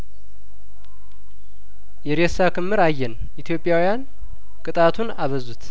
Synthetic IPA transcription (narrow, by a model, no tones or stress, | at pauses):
jɛɾesakʰɨmːɨɾajːɛn | it̪ʰijo̞pʼjawijan | kʼɨt̪ʼat̪ʰunaβəzut̪ʰ